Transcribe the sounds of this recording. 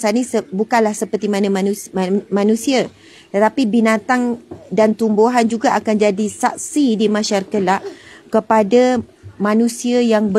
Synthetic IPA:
sanĩsəbukanlahsəpərt̪imãnãumãnũsia | t̪ət̪apibinãt̪aŋdant̪umboɦand͡ʒuɡaʔakand͡ʒadisak̚sidimãʃaɾakalaʔkəpadamãnũsiajaŋbə

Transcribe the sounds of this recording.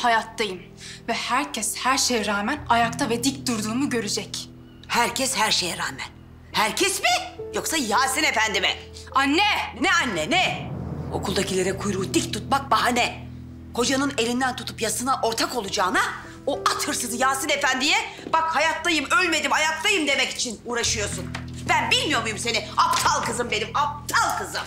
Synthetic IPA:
hajat̪ʰːajɯm | vɛhæɾcʰɛshæɾʃejɛɾaːmænajakt̪ʰavɛd̪ic̚d̪̥uɾd̪uːmuɟø̞ɾyd͡ʒɛc | hæɾcʰɛshæɾʃejɛɾaːmæn | hæɾcʰɛsbijoksajaːsɯnefænd̪imɛanːɛnɛanːɛnɛo̞̰kʰulˠd̪acʰilʲeɾɛkʰujɾuːd̪ic̚t̪ʰːut̪̚mak̚baɦanɛ | kʰo̞d͡ʒanɯne̞lʲind̪ænt̪ʰut̪ʰupjasɯnaʔo̞ɾt̪ʰako̞lˠud͡ʒaːna | oʔat̪hɯɾsɯd̪ɯjaːsɯne̞fænd̪ijɛb̥akhajat̪ʰlːajɯmølʲme̞d̪imhajat̪lˠajɯmd̪e̞mɛci̥t͡ʃʰinuːɾaʃɯjo̞ɾsun | b̥ænbilʲmijo̞mujumse̞niapt̪ʰalˠkɯzɯmbe̞nimap̚t̪ʰalˠkʰɯzɯm

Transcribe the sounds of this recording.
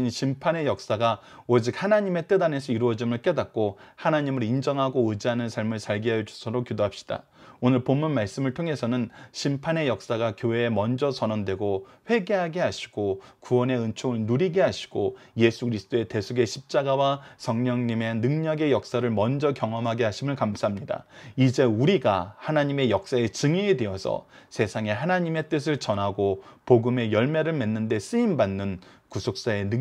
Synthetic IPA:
nɕʰimpʰane̞jʌk̚s͈aɡa | od͡ʑik̚hanaɲime̞t͈edane̞sʰʌiɾuʌd͡ʑimɯɭk͈e̞dat̚k͈ohanaɲimɯɾind͡ʑʌŋɦaɡoɯd͡ʑiɦanɯnsʰaɭmɯɭsʰaɭɡiɦad͡ʑu̥sʰʌɾokidoɦap̚ɕ͈i̥d̥a̰ | onɯɭpomːunmaɭs͈ɯmɯɭtʰoŋɦe̞sʰʌnɯnɕʰimpʰane̞jʌk̚s͈aɡakjoe̞ːmʌnd͡ʑʌsʰʌnʌndwe̞ɡoɸwe̞ɡe̞ɦaɡe̞ɦaɕʰi̥ɡ̥okuwʌne̞ɯnt͡ɕʰoɯɭnuɾiɡe̞ɦaɕʰi̥ɡ̥oje̞sʰukɯɾisʰɯ̥t͈oe̞te̞sʰuɡe̞ɕʰip̚t͡ɕ͈aɡawasʰʌŋɲʌŋɲime̞nɯŋɲʌɡe̞jʌk̚s͈aɾɯɭmʌnd͡ʑʌkjʌŋʌmɦaɡeɦaɕʰimɯɭkamsʰaɦamɲida̰id͡ʑe̞uɾiɡahanaɲime̞jʌk̚s͈aet͡ɕɯŋiːdwe̞ʌsʰʌ̰sʰe̞sʰaŋe̞ɦanaɲime̞t͈ɯs̬ʰɯɭt͡ɕʌnɦaɡopoɡɯme̞jʌɭmaɾɯɭme̞nːɯnde̞s͈ɯimbanːɯn | kusʰok̚s͈ae̞nɯ

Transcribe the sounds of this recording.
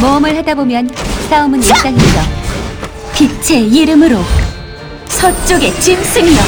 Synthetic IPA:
mʌɯmɯɭhadabomjʌns͈aɯmɯniɭ̚s͈aŋimiɡʌ | pit͡ɕʰe̞iɾɯmɯɾo | sʰʌt͡ɕ͈oɡe̞t͡ɕins͈ʰɯŋijʌ

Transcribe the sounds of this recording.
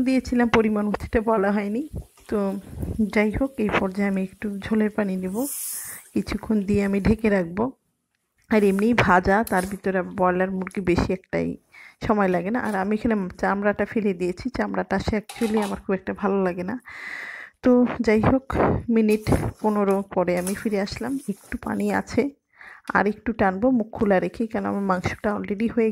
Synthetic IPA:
d̪ijet͡ɕʰilampoɾimanmʱut̪ʰːi̥ʈabɔlaɦɔenit̪od͡ʑajɦokejpɔɾd͡ʑaeamiekʈud͡ʑʱolepaninibokit͡ɕʰukʰːond̪ieamiɖʱekeɾak̚bo | aɾemnijbʱad͡ʑat̪aɾbʱit̪oɾeabɔjlaɾmuɾɡibeʃiɛkʈa̰jʃɔmɔelaɡenaʔaɾamiekʰanet͡ɕamɾaʈafeled̪ijet͡ɕʰit͡ɕamɾaʈaʃeak̚t͡ɕualiamaɾkʰubɛk̚ʈabʱalolaɡena | t̪od͡ʑajɦokminiʈponoɾopɔɾeamifiɾeaʃlamek̚ʈupa̰nia̰t͡ɕʰe | a̰ɾekʈuʈanbomukʰːulaɾekʰikaɾnõamamaŋʃu̥ʈaɔlɾeɖiɦoe

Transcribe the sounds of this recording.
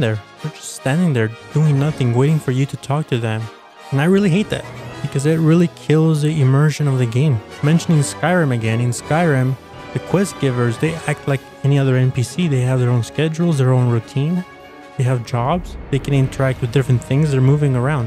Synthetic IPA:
ðə˞ðə˞d͡ʒʌststæ̃ndɪ̃ŋðə˞d̥uɪ̃ŋnʌθɪ̃ŋweɪɾɪ̃ŋfə˞jɨɾɨtʰɔk̚tʰɨðɨ̃m | ɨ̃naɪɹɪlˠiɦeɪt̪̚ðæ̰t̚b̥ɨkʰʌzɪt̚ɹɪlˠikʰɪlˠzðiʔɨmɜ˞ʒɨ̃nʌvðɨɡẽɪ̃mmɛ̃nʃɨnɪ̃ŋskaɪɹɨ̃mɨɡɛ̃nɨ̃nskaɪɹɨ̃m | ðɨkʰw̥ɛst̚ɡ̥ɪvə˞zðeɪʔæk̚tʰˡlaɪk | ɛniʌðə˞ɛ̃npisiðeɪɨvðə˞õʊ̃nskɛd͡ʒl̩ˠzðə˞õʊ̃nɹutʰĩn | ðeɪɨvd͡ʒɑbz̥ðeɪkʰɨ̃ñɪ̃ntʰə˞æk̚t̚wɨðdɪfɹɨ̃nθɪ̃ŋzðə˞muvɪ̃ŋə˞ãʊ̃nd

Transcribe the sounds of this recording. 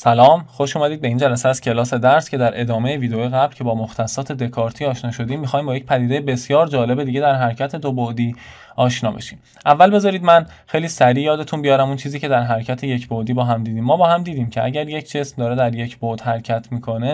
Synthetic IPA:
sælɒːmxo̞ʃuːmæd̪iːd̪̚be̞iːnd͡ʒælæseæz̥cʰe̞lɒːse̞d̪æɾscʰʲe̞d̪æɾʔed̪ɒːmejeviːd̪ejoːjeɣæblcʰe̞bɒːmoxt̪ʰæsːɒːt̪ʰe̞d̪e̞kʰɒːɾt̪ʰiːɒːʃnɒːʃo̞d̪iːmːixɒːjmbɒjecʲpʰæd̪id̪e̞jebe̞sjɒːɾd͡ʒɒːle̞be̞d̪iːɟe̞d̪æɾɦæɾcʰæt̪ʰe̞d̪obod̪iː | ɒːʃnɒːbe̞̰ʃiːm | ʔævːælbe̞zɒːɾiːd̪mæn | xe̞jliːsæɾiːjɒːd̪e̞t̪ʰunbijɒːɾæmunt͡ʃʰiːziːcʰe̞d̪æɾɦæɾcʰæt̪ʰe̞jecʰbod̪iːbɒːɦæmd̪iːd̪iːmːɒːbɒːhæmd̪iːd̪iːmcʰe̞ʔæɟæɾje̞cʰd͡ʒe̞smd̪ɒːɾe̞d̪æɾje̞cʰb̥od̪̥hæɾcʰæt̪ʰmiːkʰo̞ne̞

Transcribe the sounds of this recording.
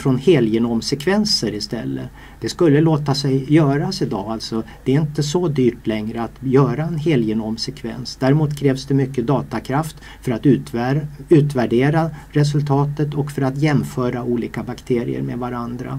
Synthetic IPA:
fɾɔnheːljənɔmsɛkʰvɛnsəɾɪst̪ɛ̰lːə̰ | d̪̥ɛskɵlːəloːt̪asɛjjœːɾasɪd̪ɑ̰ːalt̪sɔd̪̥ɛːɾɪnt̪əsɔd̪yːʈlɛŋɾəat̪jœːɾaɛnɦeːljənɔmsɛkʰvɛ̰nsd̪æɾɪmuːt̪kʰɾɛːvsd̪ɛmʏkːəd̪ɑːt̪akʰɾaft̪ | fœɾat̪ʉt̪ʉ̟ːt̪væɖeːɾaɾɛs̬ɵlt̪ʰɑːt̪ət̪ɔkfœɾat̪jɛmfœːɾauːliːkabakt̪ʰeːɾɪ̰ə̰ɾmḛd̪vaɾand̪ɾa̰

